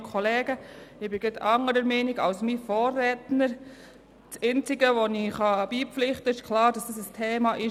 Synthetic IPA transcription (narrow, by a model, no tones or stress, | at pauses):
kʰɔleːɡəɪb̥ɪɡɾɪtɑŋəɾəɾmɛniɡɑwsmifoːrːɛːtnəɾ | t͡sɛnt͡sɪɡəʋoniχɑb̥iːpflɪχtəɪʃkʰlɑːɾdɑsd̥ɑs̬əstʰeːmɑʔɪ